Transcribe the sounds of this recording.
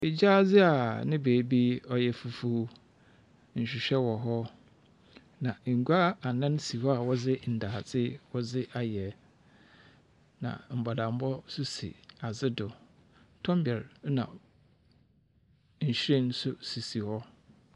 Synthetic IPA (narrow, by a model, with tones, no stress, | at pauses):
ɪ˨d͡ʑaː˦d͡zɪ˦a˨nɪ̃˦beː˨bi˦ɔ˨jɛ˨fu˨fu˨˦ | ɲ̩˨ɕᶣɪ˨ɕᶣɛ˦wɔ˨ɦɔ˦ | nã˨ŋ̩˨ɡa˦a˨nã˦n˦si˨hɔ˦a˨wɔ˦d͡zɪ˦n̩˨daː˨d͡zɪ˦wɔ˦d͡zɪ˦ʔa˨jɛ˨ | nã̰˨m̩˨ba˨dã˨m̩˦bɔ˦sʊ˦sḭ˨a˨zɪ˦dʊ˨ | tʰɔ̃˦m˦bɛ˨ɾnã̰˨ | ɲ̩˨ɕᶣẽ˦n˦sʊ˦si˨si˨hɔ˦